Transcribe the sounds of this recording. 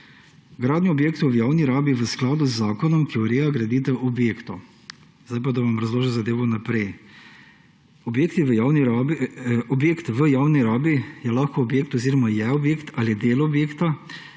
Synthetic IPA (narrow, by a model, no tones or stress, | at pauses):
ɡɾaːd̪njɔɔbjeːkt̪ɔʋjaːwniɾaːbiʋəsklaːd̪uzːaːkɔnɔmkiɔɾeːjaɡɾɐd̪iːt̪ɛʔɔbjeːkt̪ɔ | zd̪ajp̬ad̪aʋamɾɐzloːʒiwzad̪eːʋɔnapɾɛj | ɔbjeːkt̪iʋjawni | ɔbjeːkt̪ʋəjaːwniɾaːbijɛlaxkoːbjeːkt̪ɔziːɾɔmajɛɔbjeːkt̪aliɛd̪eːlɔbjeːkt̪a